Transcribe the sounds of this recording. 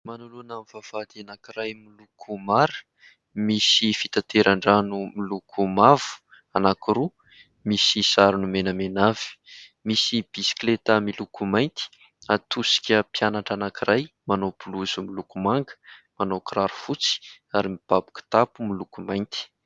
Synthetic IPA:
manulunamvav̥ad̪ianakirajmilukʰumaɾə̥ | misifit̪at̪eɾaɳɖ͡ʐanumilukʰumav̥u̥ | anakiɾu | misisaɾunumenəmenavi̥misib̥isi̥klet̪amilukumajnt̪i̥ | at̪usi̥kʲəpjanaʈ͡ʂanakiɾajmanowb̥uluzumilukumaŋɡə̥ | manowkraɾu̥fut͡si̥ | aɾimib̥abu̥ku̥t̪apumilukumajnt̪i̥

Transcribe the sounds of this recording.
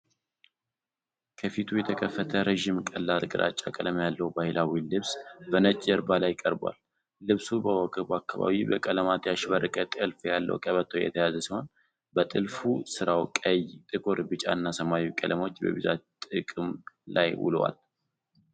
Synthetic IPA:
kʰəfit̪ʰujɛt̪ʰəkʰəfːət̪ʰəɾeʒimkʼəlːalkʼɨɾʔa̰t͡ʃʼːa̰kʼələmjalːəwbahɪlawilɨβsbənət͡ʃʼɛɾbalajkʼəɾba̰lː | ɨβsubəwɔɡəβuakːaβa̰βibəkʼələmat̪jaʃβərːɨkʼət̪ʼɨɨlfjalːə̰wkʼəβət̪ʰojɛ̰t̪ʰəjazəsiho̞n | bət̪ʼɨlfusɨɾawkʼəjt̪ʼɨkʰʼo̞ɾbɨt͡ʃʼa̰ɨnːasəmawukʼələmo̞t͡ʃːbə̰βizat̪ʼɨkʼɨmlajwʊ̰l̰wa̰l

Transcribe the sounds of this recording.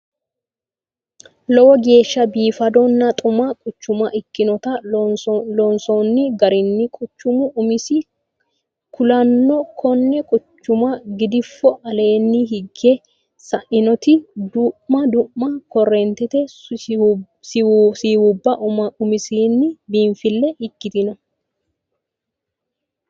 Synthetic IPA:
lɔwɔɡe̞ːʃːɐbiːfɐd̪ɔnːɐt̪ʼʊmɐkʼʊt͡ʃːʊmɐʔɪkːɪnɔt̪ɐ | lɔnsɔnːɪɡɐɾɪnːɪkʼʊt͡ʃːʊmʊʊmɪsɪ | kʊlɐnːɔkʰɔnːɛkʼʊt͡ʃːʊmɐɡɪd̪ɪfːɔʔɐle̞ːnːɪɦɪɡːɛ | sɐʔɪnɔt̪ɪd̪ʊʔmɐd̪ʊʔmːɐkɔrːent̪ɛt̪ɛ | ssiːwʊbːɐʔʊɐʊmɪsiːnːɪbiːɱfɪlːɛʔɪkːɪt̪ɪnɐ

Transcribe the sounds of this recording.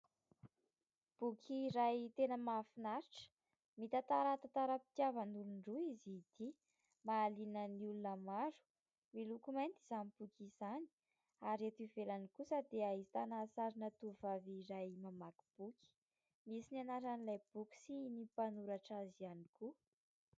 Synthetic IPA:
b̥ukʲʰiɾajt̪enəmafinaɾiʈ͡ʂə̥ | mit̪at̪aɾət̪at̪aɾəpi̥t̪javənuluɳɖ͡ʐuizid̪̥i | maːlinəniulunəmaɾu̥ | milukumajnt̪iz̥anib̥ukʲizani̥ | aɾiat̪ivelanikusad̪eaizi̥t̪anasaɾinət̪uvaviɾajmamaki̥b̥ukʰʲi̥ | misinianaɾanilajb̥uki̥sinipanuɾaʈ͡ʂazianiku

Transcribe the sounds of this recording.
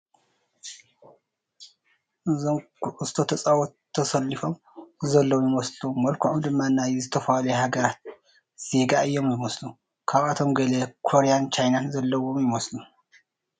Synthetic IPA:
ɨst̪ʰo̞t̪ʰɐsʼawɔːɐsɐlːɨfo̞m | zɐlːɐwjɪmɐslumɐlkʰoʕumd̪ɨmːanːajɛzɨt̪ʰɐfaljɛhaɡɐɾat̪̚ | z̥e̞ɡaɨjːomjɪmɐslu | kʰaβat̪ʰo̞mɡɐlekʰoɾejant͡ʃʰajnanzɐlːɐwomjɪmɐslu

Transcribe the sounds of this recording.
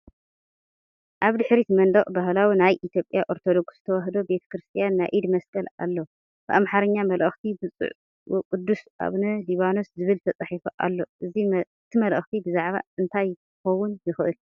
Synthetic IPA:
ʔaβd̪ɨħɾit̪mɐnd̪ɐχʼbaɦlawinajʔit̪ʰjo̞pʼjaʔo̞ɾt̪ʰod̪o̞ɡzɨt̪ʰɐwaɦd̪o̞be̞t̪ʰɐ̥kɾɨst̪ʰijanːajʔid̪mɐskʼɐla̰lːo | b̥ɨʔamħaɾɐɲːamɐlʔɐxt̪ʰibɨt͡sʼɨ̰ʕ | kʼɨd̪ːusʔa̰βnɐliβano̞szɨβɨlt̪ʰɐt͡sʼaħifoʔa̰lːo̞ʔɨziɨt̪ʰimɐlʔɐ̰xt̪ʰibɨzaʕβa̰ɨnt̪ʰaj | ɨxɐwːunjɪxʔɨl

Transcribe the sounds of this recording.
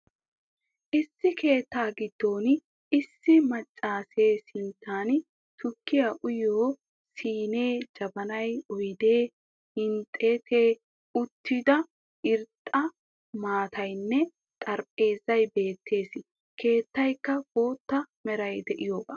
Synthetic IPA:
ʔɪsːɪkʰe̞ːt̪ːaːɡɪd̪̥ːo̞ːn | ʔɪsːɪmɐt͡ʃʼːaːseːsɪnt̪ʰːaːn | t̪ʊkːɪjaʔʊjoː | siːne̞ːd͡ʒɐbɐnɐjʊjd̪e̞ː | hɪnt̪ʼːeːt̪ʰeː | ʊt̪ːɪd̪ɐ | ʔɪɾt̪ʼːɐ | maːt̪ʰɐjnːɛ | t̪ʼɐɾpʼːe̞ːzɐjbe̞ːt̪ːe̞ːsɪ | kʰe̞ːt̪ːɐjkːɐbo̞ːt̪ːɐmɛɾɐjd̪ɛʔɪjoːbaː

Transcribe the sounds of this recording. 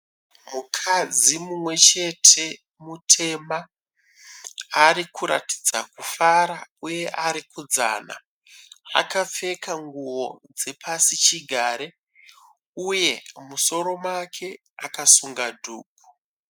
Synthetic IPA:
mukʰad͡zimumwe̞t͡ʃe̞tʰe̞ | mutʰe̞ma | ɾikʰuɾa̰ti̥d͡zakufaɾauje̞ʔaɾikud͡za̰ːna̰ | a̰kap͡fe̞kaŋɡuwo̞d͡ze̞pʰasit͡ʃiɡʱaːɾe | uje̞muso̞ɾo̞mwakʰe̞ | akasuŋɡadʱuːɡʱu

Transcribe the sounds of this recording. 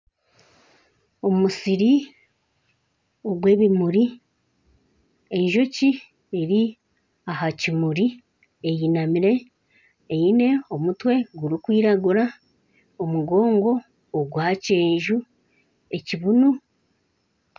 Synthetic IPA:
o̞musiɾi | o̞ɡwe̞ːβimuɾi | e̞ɲʒo̞ci | eɾi | aɦacimuɾi | ejinamiɾe̞ː | ine̞o̞mutwe̞ɡuɾikwiːɾaɡuɾa | omuɡo̞ːŋɡo̞ː | ɡwaːce̞ːʒu | e̞ciβunu

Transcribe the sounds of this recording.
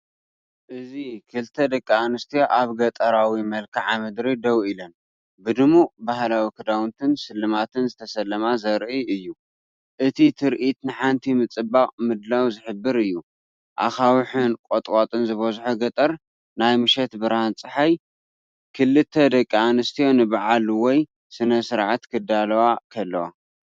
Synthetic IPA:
ʔɨzikʰɨlt̪ʰɐd̪ɐkʼːianɨst̪ʰijaʔaβɡɐt̪ʼɐɾawimɐlkʰaʕamɨd̪ɾid̪ɐwilɐn | bɨd̪ɨmubahlawikʰɨd̪awnt̪ʰɨnsɨlːɨmat̪ʰɨnzɨt̪ʰɐsɐlːɐmazɐɾʔiɨjːu | ʔɨt̪ʰit̪ʰɨɾʔit̪nɨħant̪ʰimɨt͡sʼɨbaqʼmɨd̪lawzɨħɨbːɨɾɨjːu | ʔa̰xawħɨnkʼot̪ʼkʼot̪ʼɨnzɨβɐzħuɡɐt̪ʼɐɾ | najmɨʃɛt̪bɨɾhant͡sʼɨħaj | kʰɨlːɨt̪ʰːɐd̪ɐkʼːianɨst̪ʰijo̞nɨbaʕalwɔj | sɨnɐsɨɾʕat̪kʰɨd̪alɐwakʰɐlːɐwa̰

